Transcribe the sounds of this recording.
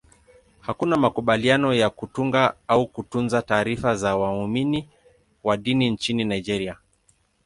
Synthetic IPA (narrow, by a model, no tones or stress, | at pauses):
hakunamakuɓalianɔjakutuŋɡaaukutunzataːɾifazawaumini | waɗinint͡ʃininaid͡ʒɛɾia